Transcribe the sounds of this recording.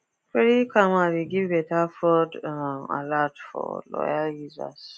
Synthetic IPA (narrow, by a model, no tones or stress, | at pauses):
feɾikʰamaɾiɡivbɛtafɔda̰latfɔ̰lɔ̰jaljuza̰s